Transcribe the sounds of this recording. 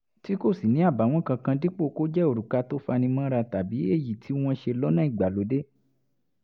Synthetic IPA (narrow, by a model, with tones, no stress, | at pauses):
ti˦ko˦˨si˨nĩ˨˦a˦˨ba˨˦w̃ɔ̃˦kã˧kã˧di˦k͡po˦˨ko˦d͡ʒɛ˦o˨ɾu˨ka˧to˦fa˧nĩ˧mã˦ɾa˧ta˨bi˨˦e˦˨ji˨tʰi˨˦w̃ɔ̃˧ʃe˧lɔ˦nã˦i˦˨ɡ͡ba˨lo˨˦de˦